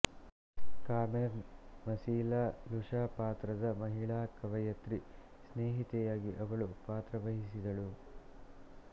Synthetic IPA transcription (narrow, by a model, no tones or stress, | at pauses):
kaːmeɾnmɐsiːlaːluʂaːpaːt̪ɾɐd̪ɐmɐɦiɭaːkɐʋɐjɐt̪ɾi | sneːɦit̪ɛjaːɡiʔɐʋɐɭupaːt̪ɾɐʋɐɦisid̪ɐɭu